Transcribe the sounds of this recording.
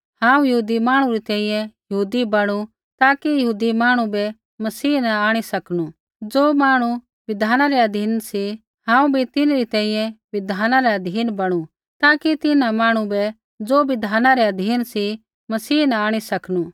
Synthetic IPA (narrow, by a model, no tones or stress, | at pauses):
hãːũjɐɦuːd̪imaːɽ̃ũɾit̪ɛ̃ːĩjɛ̃jɐɦuːd̪ibɐɽ̃u | t̪aːkijɐɦuːd̪imaːɽ̃ũbɛ | mɐsiːnɐaːɽ̃isɐknu | d͡zoːmaːɽ̃u | ʋɪd̪ʱaːnaɾɛɐd̪ʱiːnsi | ɦãːũbʱit̪ɪnɾit̪ɛ̃ːĩjɛ̃ʋɪd̪ʱaːnãɾɛɐd̪ʱiːnbɐɽ̃u | t̪aːkit̪ɪnamaːɽ̃ũbɛ | d͡zoːʋɪd̪ʱaːnaɾɛɐd̪ʱiːnsi | mɐsiːnɐaːɽ̃isɐknuː